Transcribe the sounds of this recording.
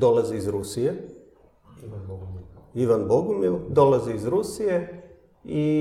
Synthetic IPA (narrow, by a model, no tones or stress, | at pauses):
d̪olaziizɾusije | iʋanboɡumid̪olaziizɾusije | i